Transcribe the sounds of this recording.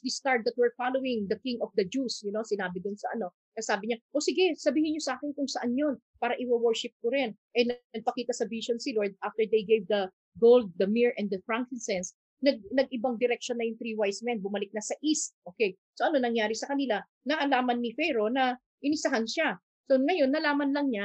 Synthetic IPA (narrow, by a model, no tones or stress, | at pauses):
wist̪aɹt̪̚d̪ɐt̪̚wɛɹfalowɪŋd̪ɐkɪŋɔfd̪ɐd͡ʒusjʊno̞sɪnaːbɪd̪ʊnsɐʔɐno̞ | kɐsaːbɪɲaʔosɪɡɛsɐbiːhɪnɲosɐaːkɪnkʊŋsɐʔanjon | paːɾɐʔɪwɐwɛɹʃɪp̚kʊɾɪnʔɛnɐɡ̚pɐkiːt̪ɐsɐviʃonsɪloɹd̪̚ʔaft̪ɛɹd̪ejɡejvd̪ɐ | ɡowld̪̚ːɐmiɹʔɛ̃nd̪ɐfɹaŋkɪnsɛns | nɐɡ̚nɐɡ̚ʔɪbaŋd̪ɪɾɛk̚ʃonːɐjʊŋt̪ɾiːwajsmɛnbʊmɐlɪk̚nɐsɐʔist̪̚ʔoːkɛj | so̞ʔɐno̞nɐŋjaːɾɪsɐkɐnɪla | nɐʔɐlaːmɐnːifɛjɾo̞nɐ | ʔɪnɪsɐɦanʃa | soŋɐjo̞nːɐlaːmɐnlɐŋɲa